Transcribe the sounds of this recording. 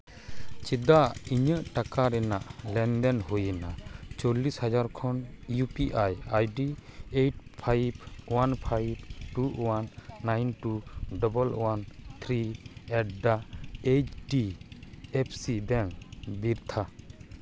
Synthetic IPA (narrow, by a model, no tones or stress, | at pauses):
t͡ʃid̪aiɲəʔʈakaɾɛnaʔlɛnd̪ɛnɦujənat͡ʃɔlːishad͡ʒaɾkʰɔnjupiʔajajɖiejʈ̚pʰajbwanpʰajb̚ʈuwanːajnʈuɖɔbɔlwant̪ʰɾiɛʈ̚ɖaet͡ʃʈi | ɛpʰsibɛŋbiɾt̪ʰa